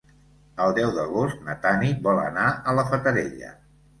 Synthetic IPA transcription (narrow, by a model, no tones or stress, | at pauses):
əlˠd̪ɛwðəɣost̪nət̪aniβɔlə̰naələfət̪əɾeʎə̰